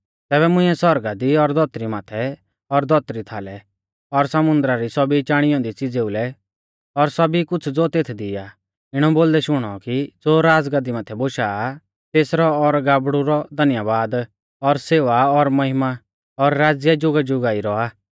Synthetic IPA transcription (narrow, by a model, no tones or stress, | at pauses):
t̪ɛːβɛmʊ̃ɪ̃ɛsɔɾɡad̪iɔɾd̪ʱɔt̪ɾimat̪ʰɛ | ɔɾd̪ʱɔt̪ɾit̪ʰaːlɛ | ɔɾsɐmʊ̃nd̪ɾaɾisɔbit͡ʃaːɽ̃ɪjɔ̃ːd̪it͡sid͡zeʊlɛ | ɔɾsɐbikʊt͡sʰd͡zot̪eːt̪ʰd̪ɪja | ɪɽ̃ɔboːld̪ɛʃʊɽ̃ɔ̰kid͡zoːɾaːd͡zɡad̪imat̪ʰɛboːʃaː | t̪eːsɾɔːɾɡaːbɽuɾɔd̪ʱɐnjabaːd̪ | ɔɾseːʋaɔɾmɐɦɪma | ɔɾːaːd͡zjɛd͡ʒʊɡad͡ʒʊɡaːiɾɔaː